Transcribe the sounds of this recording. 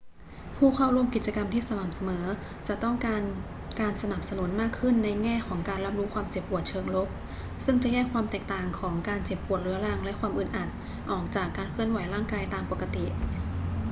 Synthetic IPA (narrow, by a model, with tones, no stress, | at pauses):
pʰuː˥˩kʰa˥˩wɾu˧əmki˨˩t̪̚t͡ɕa˧ka˧mt̪ʰiː˥˩sa˧ma˨˩p̚sa˧mɤː˩˦ | t͡ɕa˨˩t̪ɔ˥˩ŋkaː˧n | kaː˧nsa˧na˨˩p̚sa˧nu˨˩˦nmaː˥˩kʰːɯ˥˩nːa˧jŋɛː˥˩kʰɔː˩˦ŋkaː˧nɾa˦˥p̚ɾu˦˥ʔkʰwaː˧mt͡ɕe˨˩p̚ːu˨˩ət̪̚t͡ɕʰɤː˧ŋlo˦˥˩k̚ | sɯ˥˩ŋt͡ɕa˨˩jɛː˥˩kʰwaː˧mt̪ɛː˨˩k̚t̪aː˨˩ŋkʰɔː˩˦ŋkaː˧nt͡ɕe˨˩p̚ʔu˨˩ət̪̚ɾɯ˩˦ɾa˧ŋlɛ˦˥ʔkʰwaː˧mʔɯ˨˩nʔa˨˩t̪̚ | ʔɔː˨˩k̚t͡ɕaː˨˩kːaː˧nkʰɯ˥˩ənwa˨˩˦jɾaː˥˩ŋkaː˧jt̪aː˧mpo˨˩ka˧t̪i˨˩